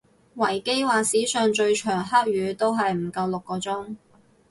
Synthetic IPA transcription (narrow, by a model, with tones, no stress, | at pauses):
wɐ˨˩jke˥jwaː˨siː˨˥sœː˨ŋt͡ʃɵ˧ɥt͡ʃʰœː˨˩ŋɦa˥k̚ɥyː˨˧t̪o˥wɦɐ˨jm̩˨˩kɐ˧wlʊ˨kːɔː˧t͡sʊ˥ŋ